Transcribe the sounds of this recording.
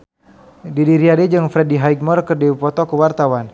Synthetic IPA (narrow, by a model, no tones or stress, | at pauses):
didiɾiadid͡ʒɨŋfɾɛdiɦajɡ̚mɔrkɨrdipɔt̪ɔkəwart̪awan